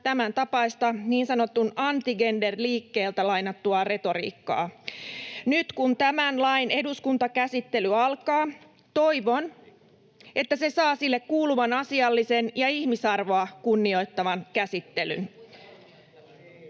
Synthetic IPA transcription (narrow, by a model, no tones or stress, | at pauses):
t̪æmænt̪ɑpɑist̪ɑniːnsɑno̞t̪ːunɑnt̪iɡenderliːkːe̞ːlt̪ælɑjnɑt̪ːuɑre̞t̪o̞ɾḭːkːɑ̰ː | nyt̪kunt̪æmænlɑine̞duskunt̪ɑkæsit̪ːe̞lyɑlkɑː | t̪o̞iʋo̞n | e̞t̪ːæse̞sɑːsilːekkːuːluʋɑnɑsiɑlːisenjɑiçmisɑrʋo̞ɑkunːio̞jt̪ːɑʋɑnkæsit̪ːe̞ly̰n